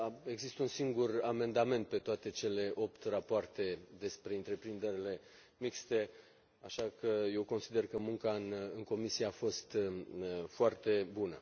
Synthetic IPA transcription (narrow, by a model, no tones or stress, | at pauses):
e̞ɡzist̪əunsiŋɡurame̞nd̪ame̞nt̪̚pe̞t̪oat̪e̞t͡ʃe̞le̞ʔo̞pt̪rapoart̪e̞d̪e̞spɾe̞ɨnt̪ɾe̞pɾind̪e̞ɾile̞ | mikst̪e̞ | aʃakəje̞wko̞nsid̪e̞rkəmuŋkanɨŋko̞misieafo̞st̪ | foart̪e̞bunə̰